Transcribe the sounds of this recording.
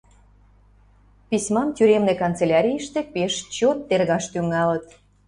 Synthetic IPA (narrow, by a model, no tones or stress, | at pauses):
pisʲmɑmt̪ʲyɾemnekont͡selʲɑɾʲijəʃt̪epeʃt͡ɕot̪ːerɣɑʃt̪yŋɑlə̆t̪